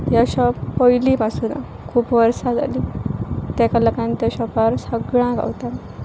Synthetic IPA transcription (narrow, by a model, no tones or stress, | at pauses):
jaɕɔpɔjliːpasuna̰ | kʰuːpʋəɾsad͡za̰lit̪akaləkãnt̪aɕɔpaɾsəɡɭãɡa̰wt̪a